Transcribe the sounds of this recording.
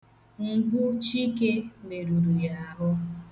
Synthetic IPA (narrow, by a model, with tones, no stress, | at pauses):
ŋ̩˨ɡ͡bu˦t͡ʃi˦ke˦me˨ɾu˨ɾu˨ja˦ɦʊ˦